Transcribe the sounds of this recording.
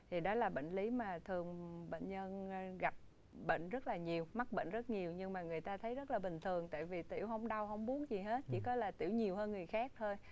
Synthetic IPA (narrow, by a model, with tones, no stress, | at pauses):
t̪ʰi˨˩ɗɔ˨˦laː˨˩ɓḛ˧˨ŋ̟li˨˦maː˨˩t̪ʰɨ˨˩əŋɓḛ˧˨nɲə˧n˧ɣa˨˩p̚ | ɓḛ˧˨ŋ̟zə˦˥t̚laː˨˩ɲi˨˩əwma˦˥k̚ɓḛ˧˨n̟zə˦˥t̚ɲi˨˩əwɲɨ˧ŋmaː˨˩ŋɨ˨˩əjt̪aː˧t̪ʰə˨˦jzə˦˥t̚laː˨˩ɓï˨˩ŋ̟t̪ʰɨ˨˩əŋt̪a̰ː˧˨jvi˨˩t̪ḭ˧˩əwɦə˧wŋ͡mɗa˧wɦə˧wŋ͡mɓu˨˦ənzi˨˩ɦe˦˥t̚t͡ɕḭ˧˩kɔ˨˦laː˨˩t̪ḭ˧˩əwɲi˨˩əwhəː˧nŋɨ˨˩əjxaː˦˥k̚t̪ʰo˧j